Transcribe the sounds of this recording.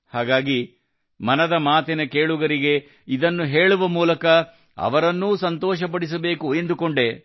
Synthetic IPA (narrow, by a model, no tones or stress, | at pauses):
haːɡaːɡi | mɐnɐd̪ɐmaːt̪ɛnɐkeːɭuɡɐɾiɡe̞ | id̪ɐnːuɦe̞ːɭuʋɐmuːlɐkɐ | ɐ̰ʋɐɾɐnːuːsɐnt̪ɔːʃɐp̬ɐɽis̬ɐbe̞ːkuend̪ukoɳɖe̞